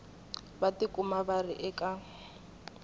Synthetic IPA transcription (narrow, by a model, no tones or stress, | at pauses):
batikʼumabarɪʔɛkʼa